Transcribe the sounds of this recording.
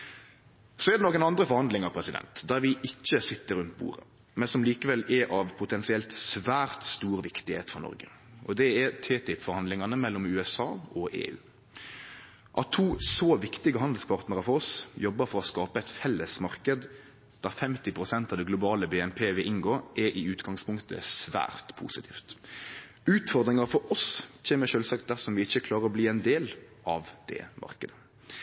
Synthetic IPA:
sɔɛd̪ɛnɔːkənɑnd̪ɾəfɔɾhɑnd̪lɪŋɑpʰɾɛsɪd̪ɛ̰nt̪d̪æːʁɾʋɪʔɪçːəsɪt̪ːəɾʉnt̪bṵːɾə̰ | mɛnsɔmliːkəʋɛlːɛʔɑʋpʰʊt̪ʰɛnsɪɛlt̪sʋæːɾt̪st̪uːɾʋɪkt̪ɪhḛːt̪fɔʁnɔ̰ɾɡə | ʔɔd̪ɛɛt̪ʰeːt̪ʰɪpfɔɾhɑnd̪lɪŋɑnəmɛlːɔmʉːɛsɑːʔɔʔḛːʉ̰ː | ʔɑt̪ʰuːsɔːʋɪkt̪ɪɡəɦɑnd̪əlspʰɑʁt̪nəɾəfɔɾɔsjɔbːəɾfɔɾɔskɑːpəɛɪt̪fɛlːəsmɑʁkəd̪ | d̪̥æɾfɛmt̪ɪpʰɾʊsɛnt̪ɑʋd̪ɛɡlʊbɑːləbɛːɛnpʰeːʋɪlʔɪŋɡoːʔɛɾʔɪʉːt̪ɡɑŋspʰʊŋkt̪ʰə̰sʋæ̰ːɾt̪pʰṵːsɪt̪ʰḭːft̪ | ʉːt̪fɔɾd̪ɾɪŋɑɾfɔɾɔsc͡çʰɛːnəʃøːlsɑk̚t̪̚d̪æʁsɔmʋɪɪçːəkʰlɑːɾəɾɔbliːɛnd̪eːlʔɑʋd̪̥ɛ̰mʔɑ̰ʁkəd̪ə

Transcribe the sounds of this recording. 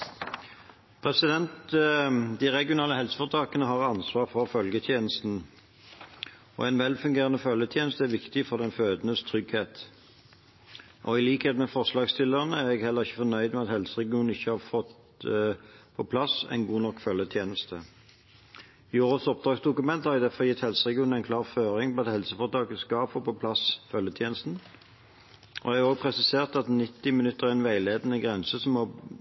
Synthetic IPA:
pʰʁɛsɪd̪ɛnt̪ | d̪ɪʁɛɡɪʊnɑːləɦɛlsə̥fɔʁt̪ʰɑːkənəɦɑʁɑnsʋɑːʁfɔʁfœlɡət̪ʰjeːnəst̪n̩ | ɔ̰æɪnʋɛlfʉŋɡeːʁənəfœljət̪ʰjeːnəst̪əæʁʋɪkt̪ɪfɔʁd̪ɛnføːd̪ənəst̪ʰʁʏɡheːt̪ | ʔɔ̰ɪliːkheːt̪mɛfɔʁslɑːɡst̪ʰɪlːəʁənəæʁɛɡhɛlːəʁɪçːəfɔnœʏd̪mɛɑt̪hɛlsəʁɛɡɪuːnn̩ɪçːəhɑːʁfɔt̪ | pʰɔpʰlɑsɛ̰ɪnɡuːnɔkːfœljət̪ʰjeːnəst̪ə | ɪoːʁəsɔp̚d̪ʁɑːksd̪ʊkʉmɛnt̪hɑʁɛɡd̪æfɔjɪt̪ːhɛlsəʁɛɡɪuːnæɪnkʰlɑːʁføːɾɪŋpɔɑt̪hɛlsəfɔʁt̪ʰɑːkəskɑːpfɔpʰɔpʰlɑsfœljət̪ʰjeːnəst̪n̩ | ʔɔ̰æoːɡpʰʁɛsɪseːʁt̪ɑt̪nɪt̪ːɪmɪnʉt̪ːəʁæʁɛnʋæɪleːd̪ənəɡʁɛnsəsɔmːɔ

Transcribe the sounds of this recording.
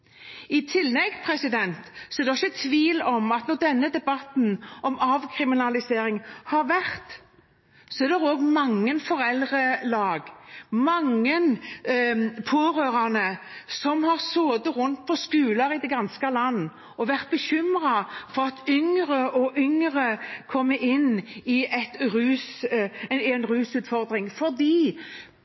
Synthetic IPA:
ɪt̪ʰɪlːɛɡpʰɾɛsɪd̪ɛnt̪sɔɛɾd̪ɛɪçːət̪ʰʋiːlɔmɑt̪nɔd̪ɛnːəd̪ɛbɑt̪nʔɔmɑːʋkʰɾɪmɪnɑlɪseːɾɪŋhɑɾʋæʁt̪ | sɔɛɾd̪ɛɾoːɡmɑŋːənfɔɾɛld̪ʁəlɑːɡmɑŋːən | pʰoːʁøːɾɑnəsɔmhɑʁsoːd̪əʁʊnt̪̚pʰɔskʉːlɑɾɪd̪ɛɡɑnskəlɑnː | ɔʋæʁt̪̚bəçʏmʁɑfɔʁɑt̪ʏŋʁəɔʔʏŋʁəkʰɔmːəʔɪnːɪʔɛt̪ɾʉːs | ɛnɾʉːsʉːt̪fɔʁd̪ʁɪŋfɔʁd̪iː

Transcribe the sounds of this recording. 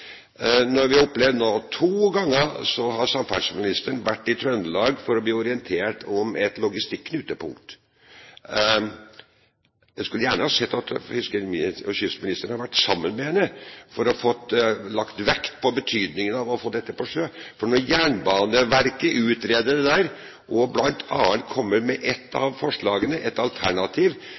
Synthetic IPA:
nɔɾʋɪɔpːlɛʋd̪noːt̪ʰuːɡɑŋːəsɔhɑɾsɑmfæ̰smɪnɪst̪əɳʋæʈːɪt̪ʰɾœnd̪əlɑːɡfɔɾɔbliːɔɾɪənt̪ʰeːʈɔmɛt̪lʊɡɪst̪ɪkːʰnʉːt̪əpʊŋkt̪ | jæɪskʉlːəjæːɳəhɑsɛt̪ːɑt̪hʏskəɔçʏsəmɪnɪst̪əɾɳ̩hɑɾʋæʈːsɑmːənmɛhɛnːəfɔɾɔfɔt̪ːlɑkt̪ʋɛkt̪pʰɔbət̪ʰyːd̪nɪŋənɑʋɔfɔd̪ɛt̪ːəpɔʂøːfɔɳɔɾjæːɳbɑːnəʋæɾkəʔʉːt̪ɾeːd̪əɖ̪ɛd̪æːɾ | ʔɔblɑnt̪ʰɑ̰ːənt̪kʰɔmːəɾmɛʔɛt̪ʰːɑ̰ʋfɔʂɭɑːɡənəʔɛt̪ɑlt̪ʰæɳɑt̪ʰiːʋ

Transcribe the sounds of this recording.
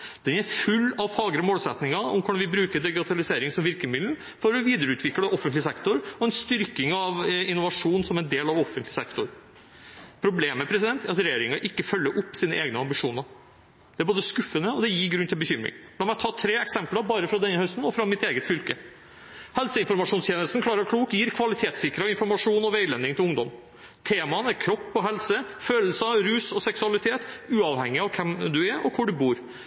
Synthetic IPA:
d̪̥ɛnæɾfʉlːɑʋfɑːɡəɾɔmoːlsɛt̪nɪŋɑɔ̰mkʊɖ̪ɑnʋɪbɾʉːkəɖ̪ɛɡɪt̪ʰɑlɪseːɾɪŋsɔmʋɪɾkəmɪd̪ln̩ | fɔɾɔʋiːd̪əɾʉːt̪ʰʋɪkːləʔɔfːənt̪lɪsɛkt̪ʊɾɔɛnst̪ʏɾkɪŋɑʋɪnːʊʋɑʂuːnsɔmɛnd̪eːlɑʋɔfːənt̪lɪsɛkt̪ʊɾ | pʰɾʊbleːmːɛpʰɾɛsɪd̪ɛnt̪ʰæɾɑt̪ɾɛjeːɾɪŋɑʔɪkːəfœlːəʔʊpːsiːnəʔeːɡnəɑmbɪʂuːnəɾ | d̪ɛæɾboːd̪əskʉfːənəɔd̪ɛjiːɡɾʉnt̪ʰɪlbəçʏmɾɪ̰ŋd̪ɛmɔæt̪ʰɑːt̪ʰɾeːɛksɛmpləɾbɑːɾəfɾɑd̪ɛnːəhœst̪n̩ɔfɾɑmɪt̪eːɡət̪fʏlkə | hɛlsəɪnfɔɾmɑʂuːnst̪jeːnəst̪n̩kʰlɑːɾəɾkʰɽuːkjiːɾkʰʋɑlɪt̪ʰeːt̪sɪkɾəɪnfɔɾmɑʂuːnɔʋeɪlɛnɪŋt̪ʰɪlʊŋd̪ɔm | t̪ʰeːmɑnæɾkʰɾɔpːɔɦɛlsəføːləl̩sɾʉːsɔsɛksʉɑlɪt̪ʰeːt̪ʉːɑʋhɛŋːɪɑʋkʰɛmd̪ʉæɾʔɔkʰʊɖʉbuːɾ

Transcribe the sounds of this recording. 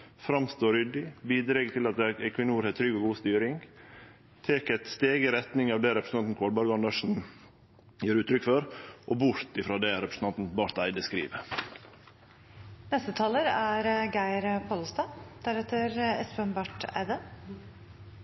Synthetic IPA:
fɾɑmst̪oːɾʏd̪ɪbiːd̪ɾeːɡət̪ʰɪlɑt̪ɛkʰʋɪnəuːɾheːt̪ʰɾʏɡɔɡuːst̪yːɾɪŋ | t̪ʰeːkæt̪st̪eːɡɪɾɛt̪nɪŋɑːʋd̪ɛːɾɛpɾsn̩ɑnt̪n̩kʰoːlbɑːɾɡɑɳd̪ɑʂn̩ | jøːɾʉːt̪ɾʏkfɔɾʔobʊɾt̪ɪfɾɑːd̪ɛɾɛpɾəsn̩ʰɑnt̪n̩bɑɾt̪æɪd̪əskɾḭːʋə | nɛst̪ət̪ʰɑːləɾæɾɡæɪɾpʰɑːlst̪ɑd̪̥æɾɛt̪ːəɾɛspəmbɑʈæ̰ɪd̪ə

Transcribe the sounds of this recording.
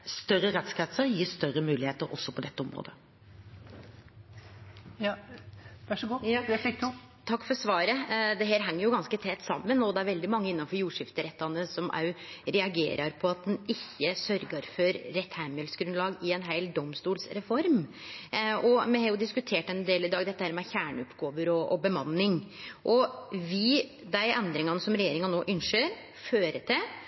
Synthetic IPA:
st̪œɾəɾɛt̪skɑt̪səɾjiːst̪œɾəmʉːlɪheːt̪əɾɔ̰sːɔpʰɔd̪ɛt̪ːəɔmɾo̰ːd̪ə | ʋæʂɡufɪk̚d̪ | t̪ʰɑkːfɔɾsʋɑːɾəd̪ɛɦeːɾɦɛŋːəɾjʊɡɑnskət̪ʰɛt̪ːsɑmːənɔd̪ɛæɾʋɛld̪ɪmɑŋːəɪnːɑnfɔɾjuːʂɪft̪əɾɛt̪ːɑnəsɔmʔɑ̰ʉɾɛɑɡḛːɾʔɑɾpʰɔɑt̪̚d̪ɛnɪçːəsœɾɡəɾfɔɾːɛt̪hæməlsɡɾʉnd̪lɑːɡɪɛnɦæɪld̪ɔmst̪uːlsɾɛfɔɾm | ʔɔmɛhɑːɾjʊd̪ɪskʉt̪ʰeːʈɛnd̪eːlɪd̪ɑːɡd̪ɛt̪ːəhæːɾmɛɛçæːɳʉpɡoːʋəɾɔʔɔbəmɑnːɪŋʔɔʋɪ | d̪æɪʔɛnd̪ɾɪŋɑnəsɔmɾɛjeːɾɪŋɑnnoːʔʏnʂøːɾ | føːɾəʈ̪ɪ

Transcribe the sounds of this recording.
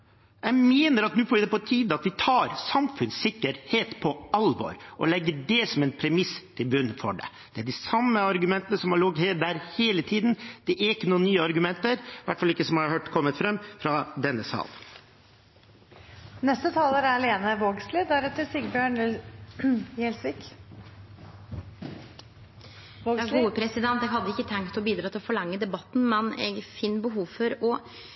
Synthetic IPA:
jæɪmeːnəɾɑt̪nʉːfoːɾʋɪd̪ɛpɔt̪ʰiːd̪əɑt̪ʋɪt̪ʰɑːɾsɑmfʉnsɪkːəɾheːt̪pʰɔɑlʋɔ̰ɾʔɔ̰lɛɡːəɖɛsɔmɛnpʰɾɛmɪst̪ʰɪlbʉnːəfɔ̰ɖɛ̰ | d̪̥ɛæɖɪsɑmːəɑɾɡʉmɛnt̪ənəsɔmhɑɭɔɡheːd̪æɾheːlət̪ʰiːd̪nd̪̥ɛʔæɾɪkːənuːənnyːəɑɾɡʉmɛnt̪əɾʋæʈːfɑlɪkːəsɔmhɑɾhøːʈkʰɔmːət̪fɾɛmːfɾɑd̪ɛnːəsɑ̰ːl | nɛst̪ət̪ʰɑːləɾæɾleːnəʋoːɡslɪd̪æɾɛt̪ːəsɪɡbjøːɳ | ɛlsʋɪk | ɡuːəpʰɾɛsɪd̪ɛnt̪ɛɡɦɑd̪ːəɪkːət̪ʰɛŋkt̪ʰɪlɔbiːd̪ɾɑːt̪ʰɪlfɔɭɑŋːəd̪ɛbɑt̪ːn̩mɛnɛ̰ɡfɪnːbəɦuːʋfɔɾɔ

